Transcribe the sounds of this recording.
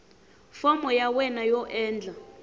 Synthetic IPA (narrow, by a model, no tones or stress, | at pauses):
fɔmɔjawɛnajɔʔɛːnd͡ɮʱa